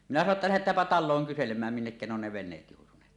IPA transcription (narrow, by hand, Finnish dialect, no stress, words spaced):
minæ sɑno tːɑ læhetˑæːmpæ tɑlˑoːŋ kyselemˑæːm minːekːæ ne on ne ʋenˑeːt joˑutuneːt